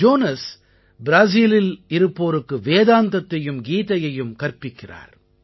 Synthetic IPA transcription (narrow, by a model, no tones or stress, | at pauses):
d͡ʒoːnɐs | bɪɾaːs̬iːlɪlɪɾɯpːoːɾɯkːɯʋeːðaːnd̪ɐt̪ːɐjɯmɡiːt̪ɐjɐjɯmkɐɾpːɪkːɪra̰ːɾ